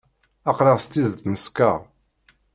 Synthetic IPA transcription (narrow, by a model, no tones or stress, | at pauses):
ɑqɾɑʁst̪ːiðθnəskaʁ